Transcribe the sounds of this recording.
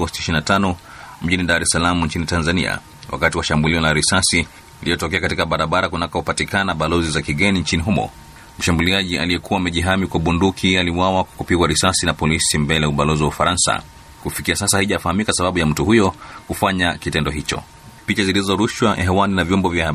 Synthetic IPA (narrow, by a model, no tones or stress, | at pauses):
ɡɔstiʃiinatanɔ | m̩ʄiniɗaɾɛsalamuɲt͡ʃinitanzania̰ | wa̰katiwaʃambuliɔlaɾisasi | ilijɔtɔkɛakatikaɓaɾaɓaɾakunakahupatikanaɓalɔzizakiɠɛniɲt͡ʃiniɦumɔ̰ | m̩ʃambuliaʄia̰lijɛkuwaːmɛʄiɦamikwaɓundukʰialiwawakwḁkupiɡwaɾisasinapɔlisimbɛlɛjauɓalɔziwaufaɾansa̰ | kufikiasasahaiʄafahamikasaɓaɓujam̩tuhujɔkufaɲakitɛndɔɦit͡ʃɔ̰ | pit͡ʃazilizɔɾuʃwaʔɛɦɛwaninavjɔmbɔvjaha